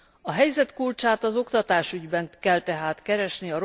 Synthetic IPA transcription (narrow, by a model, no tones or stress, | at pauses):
ɒɦɛjzɛt̪kult͡ʃaːt̪ɒzokt̪ɒt̪aːʃyɟbɛŋkɛlt̪ɛɦaːt̪kɛɾɛʃniɒɾ